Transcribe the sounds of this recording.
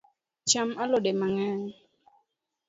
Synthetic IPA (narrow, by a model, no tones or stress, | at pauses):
t͡ʃamalodemaŋɛn